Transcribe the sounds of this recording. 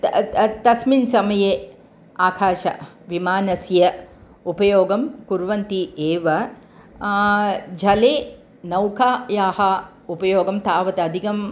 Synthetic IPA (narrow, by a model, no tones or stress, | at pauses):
t̪ɐsminsɐmɐjeː | aːkʰaːʃɐ̰ | ʋimaːnɐsjɐ | upɐjoːɡɐmkuɾʋɐnt̪ieːʋɐ | d͡ʒʱɐleː | nɐwkʰaːjaːhɐ | upɐjoːɡɐmt̪aːʋɐt̪ɐɐd̪ʱikɐm